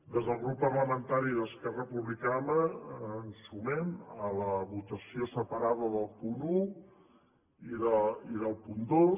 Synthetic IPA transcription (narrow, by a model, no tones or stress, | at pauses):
d̪ezðəlˠɣɾupːərləmənt̪aɾiðəskɛrəpuβlikanəənsumɛmələβut̪əsiosəpəɾaðəðəlˠpunu | iðəiðəlˠpund̪o